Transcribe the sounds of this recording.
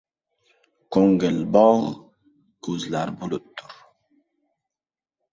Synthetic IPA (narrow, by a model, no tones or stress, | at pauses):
koŋɡəlbɑːʁ | kuzlaɾbulut̪ʰːuɾ